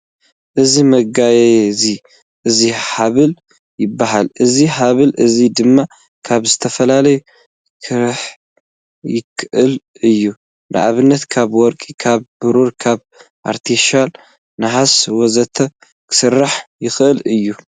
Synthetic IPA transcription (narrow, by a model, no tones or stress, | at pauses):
ʔɨzimɐɡajeezi | ʔɨziħaβɨl | jɪbːaɦalʔɨziħaβɨlʔɨzid̪ɨmːa | kʰaβzɨt̪ʰɐfɐlalɐju | kʰɨɾħ | jɪkʰːɨʔɨl | ɨjːu | nɨ̰ʕa̰βɨnːɐt̪kʰaβwɔɾkʼikʰaβːɨɾuɾkʰaβ | ʔa̰ɾt̪ʰeʃal | nɨħaswɔzɐt̪ʰɐ | kʰɨ̥sɨrːaħjɪxʔɨlɨjːu